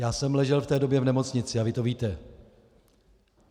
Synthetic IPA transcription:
jaːsɛmlɛʒɛlft̪ɛːdo̞bjɛvnɛmo̞t͡sɲɪt͡sɪavɪt̪o̞viːt̪ɛ

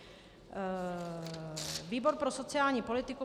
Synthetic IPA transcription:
viːbo̞ɾpɾoso̞t͡sɪaːlɲiːpo̞lɪt̪ɪku

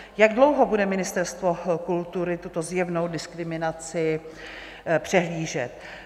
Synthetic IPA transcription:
jaɡdlo̞wɦobudɛmɪnɪst̪ɛɾst̪vo̞kult̪uɾɪt̪ut̪o̞zjɛvno̞wdɪskɾɪmɪnat͡sɪ | pr̝̥ɛɦliːʒɛt̪

